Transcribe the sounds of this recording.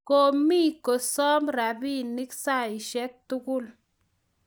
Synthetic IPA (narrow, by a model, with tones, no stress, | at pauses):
ko˦mi˦˨ko˨sɔ˦mɾa˨bi˦ni˦ksa˦˨i˨ʃɛ˦k̚t̪u˦ku˦˨l